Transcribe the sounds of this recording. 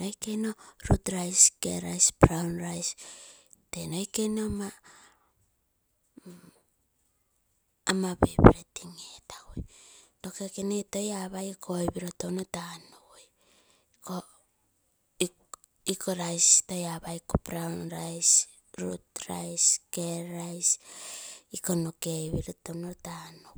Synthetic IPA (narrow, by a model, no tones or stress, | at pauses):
ojke̞jno̞ɾutɾajskḛɾajspɾawnɾajs | teno̞jke̞jno̞ma | mabḛbḭɾetiŋetaojto̞kekeneto̞jaβajkʰojbiɾotownotanuj | ko | i | ikʰoɾajsto̞jaβaikopɾawnɾajs | ɾutɾa̰jskeɾajs | ikonokejβiɾotownotano